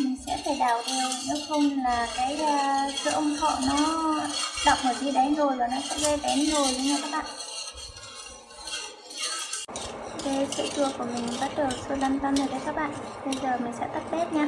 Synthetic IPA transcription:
mï˨˩ŋ̟sɛ̰˧˥fʰe˧˩ɗaː˧˩wɗe˨˩wne˨˦xə˧wŋ͡mlaː˨˩kaː˨˦jsə̰ː˧˨ʔə˧wŋ͡mxʰɔ̰˧˨nɔ˨˦ | ɗa˨˩wk͡p̚mo˨˩t̚zi˧ɗa˨˦nzo˨˩jlaː˨˩nɔ˨˦sɛ̰˧˥ze˧tɛ˨˦nzo˨˩jŋəː˧˨jkaː˦˥k̚ɓa̰ː˧˨n | ve˧sḭ˧˥t͡ɕu˨˩əku˧˩əmi˨˩ŋ̟˨ɓa˨˦˥t̚ɗəː˨˩sɨː˧la˧nt̪ə˧nəː˨˩ka˨˦kaː˦˥k̚ɓa̰ː˧˨nɓə˧jzəː˨˩mï˨˩ŋ̟sɛ̰˧˥t̪ə˦˥t̚ɓe˦˥t̚ɲa˧

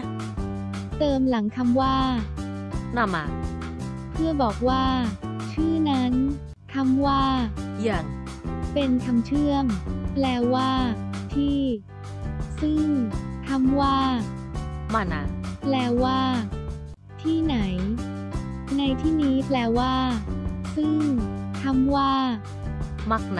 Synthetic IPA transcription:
t̪ɤː˧mla˩˦ŋkʰa˧mwaː˥˩ | na˧mːa̰ː˧˩ | pʰɯ˥˩ɐbɔː˨˩k̚waː˥˩t͡ɕʰɯː˥˩na˦˥n | k̪ʰa˧˥mwaː˥˩ji˧˩ən | pe˧nkʰa˧mt͡ɕʰɯ˥˩əmplɛː˧waː˥˩t̪ʰiː˥˩ | sɯ˥˩ŋt̪ʰa˧˥mwaː˥˩ | maː˧˩na˧˥nplɛː˧waː˥˩ | t̪ʰiː˥˩na˩˦j | na˧jt̪ʰiː˥˩niː˦˥plɛː˧waː˥˩sɯ˥˩ŋt̪ʰa˧˥˩mwaː˥˩ | ma˦˥˩k̚n˧

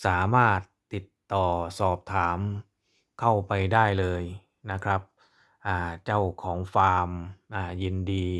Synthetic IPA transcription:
saː˩˦maː˥˩t̪̚ːi˨˩t̪ːɔː˨˩sɔː˨˩p̚t̪ʰaː˩˦m | kʰa˥˩wpa˧jdaː˥˩jlɤː˧j | na˦˥kʰɾa˦˥p̚ | ʔaː˨˩t͡ɕa˥˩wkʰɔː˩˦ŋfaː˧mʔaː˨˩ji˧ndiː˧

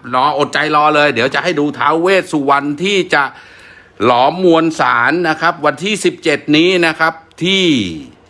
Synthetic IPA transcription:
nɔː˨˩˦ʔo˨˩t̪̚t͡ɕa˧jlɔː˧lɤː˧jdi˩˦əwt͡ɕa˨ʔha˥˩jduː˧t̪ʰa̰ː˩˦wweː˥˩t̪̚su˨˩wa˧nt̪ʰiː˥˩t͡ɕa˨˩ʔ | lɔː˩˦mːu˧ənsaː˩˦nːa˦˥kʰa˦˥p̚wa˧nt̪ʰiː˥˩si˨˩p̚t͡ɕe˨˩t̪̚niː˦˥na˦˥kʰa˦˥p̚t̪ʰiː˥˩

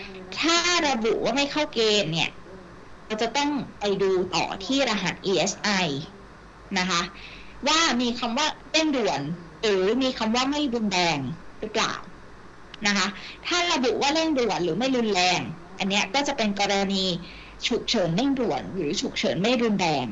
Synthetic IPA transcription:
t̪ʰaː˥˩ɾa˧bṵ˨˩ʔwaː˥˩ma˥˩jkʰa˥˩wkeː˧nːi˥˩ɐ | ɾa˧wt͡ɕa˨˩t̪ɔ˥˩ŋpa˧jduː˧t̪ɔ̰ː˨˩t̪ʰiː˥˩ɾa˧ɦa˨˦˩t̪̚ʔiː˧ʔe˦˥sʔa˧j | na˦˥kʰa˦˥ | waː˥˩miː˧kʰa˧mwaː˥˩le˥˩ŋdu˨˩ən | ɾɯː˩˦miː˧kʰa˧mwaː˥˩ma˥˩jɾu˧nɾɛː˧ŋɾɯ˦˥pla̰ː˨˩w | na˦˥kʰa˦˥t̪ʰaː˥˩ɾa˧bu˨˩ʔwaː˥˩le˥˩ŋdu˨˩ənɾɯː˩˦ma˥˩jlu˧nlɛː˧ŋ | ʔa˧nːi˦˥ɐkɔː˥˩t͡ɕa˨˩pe˧nkɔː˧ɾa˧niː˧ | t͡ɕʰu˨˩k̚t͡ɕʰɤː˩˦nle˥˩ŋdu˨˩ənɾɯː˩˦t͡ɕʰu˨˩k̚t͡ɕʰɤ̰ː˩˦nma˥˩jɾu˧ndɛː˧ŋ

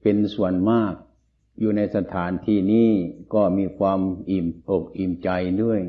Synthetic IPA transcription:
pe˧nsu˨˩ənmaː˥˩k̚ | juː˨na˧jsa˧t̪ʰaː˩˦nt̪ʰiː˧˩niː˥˩kɔː˥˩miː˧kʰwaː˧mʔiː˨˩mʔo˨˩k̚ʔiː˨˩mt͡ɕa˧jdu˥˩əj

